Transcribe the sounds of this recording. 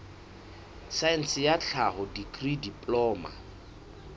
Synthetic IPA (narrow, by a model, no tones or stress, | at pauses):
saɛn̩sɪjat͡ɬʰahɔdikʼridipʼlɔːma̰